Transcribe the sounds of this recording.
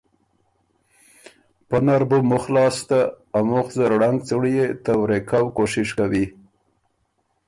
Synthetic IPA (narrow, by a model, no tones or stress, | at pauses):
pənaɾbumʊxlɑst̪aː | mʊxzəɾɽaŋɡ̚t͡səɽjet̪awɾekawkoʃɪʃkawi